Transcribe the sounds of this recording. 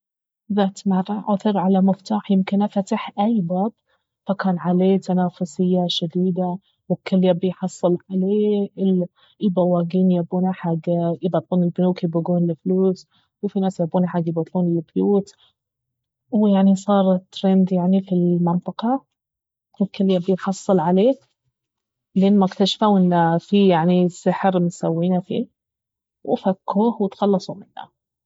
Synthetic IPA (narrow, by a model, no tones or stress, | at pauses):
ðaːt̪maɾˤɑʕaθɨɾʕalamɪft̪aːħjɪmkɪnʔafat̪aħʔajːbaːb̚ | fakaːnʕaleːt̪anaːfʊsɪjːaʃad̪iːd̪a | wɪkːɪlːjabɪjħɑsˤːɨlʕaleːɪl | ʔibawaːɡiːnjabuːnaħaɡːʔɪbɑt̪ˤluːnɪlbɪnuːkjbaɡuːnlɪfluːs | wɪfinaːsjabːuːnaħaɡjɪbat̪ˤluːnlɪbjuːt̪ | wjaʕnisˤɑːɾˤt̪ːɾend̪jaʕnifilmɪnt̪ˤɨqɑ | wɪkɪlːjabɪtħɑsˤːɑlʕaleː | lɪʔɪnːmʊkt̪aʃfawʔɪnːafijaʕnisɪħɾmʊsawːiːnafḭː | wʔfakːuːhwɪt̪xɑlːɑsˤumɪnːa̰